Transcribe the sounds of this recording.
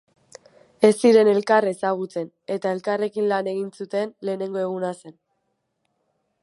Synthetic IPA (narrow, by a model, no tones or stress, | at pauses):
e̞siɾe̞ne̞lkare̞saɣ̞ut͡se̞n | e̞t̪ae̞lkare̞kinlane̞ɣinsut̪e̞nle̞ːne̞ŋɡo̞e̞ɣ̞unase̞n